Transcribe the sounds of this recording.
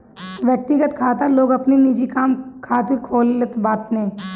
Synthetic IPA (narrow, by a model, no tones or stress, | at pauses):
ʋjək̚t̪ɪɡət̪kʰaːt̪aloːɡɐpninid͡ʒikaːmkʰaːt̪ɪɾkʰoːlət̪baːt̪nẽː